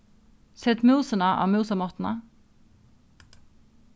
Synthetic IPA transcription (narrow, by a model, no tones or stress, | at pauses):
sɛt̪mʉːsənɑʔɑ̰ːmʉːsəmɔʁt̪n̩ɑ